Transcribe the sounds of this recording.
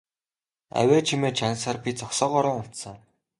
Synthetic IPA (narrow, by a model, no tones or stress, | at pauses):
æ̰wʲæːt͡ɕʰimeːt͡ɕʰansărpʲit͡sɔksɔːʁɔɾə̆ːŋʊt̪sə̆ŋ